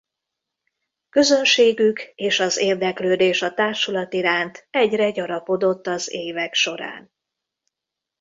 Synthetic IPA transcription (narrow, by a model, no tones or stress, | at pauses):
kø̞zø̞nʃeːɡykeːʃɒzeːrd̪ɛkløːd̪eːʃɒt̪aːrʃulɒt̪iɾaːnt̪ɛɟrɛɟɒɾɒpo̞d̪o̞t̪ːɒzeːvɛkʃo̞ɾa̰ːn